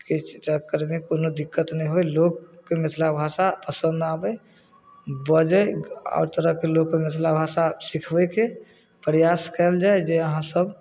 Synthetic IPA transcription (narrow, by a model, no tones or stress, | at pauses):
kit͡ʃʰt͡ʃəkːəɾmekonod̪ikːət̪nɛĩɦojlokːemet̪ʰlabʱasapəsə̃nd̪abə | bəd͡ʒəja̰ʊɾt̪əɾəɦkelokːemet̪ʰlabʱasasikʰbəke | pɾjaskəld͡ʒaed͡ʒeəɦãsəb